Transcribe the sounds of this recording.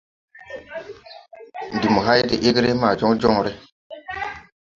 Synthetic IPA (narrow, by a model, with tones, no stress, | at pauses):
n˨di˨mo˨ɦa˦jde˨ʔe˦ɡɾe˦ma˨d͡ʒo˦ŋd͡ʒɔ˦ŋɾe˦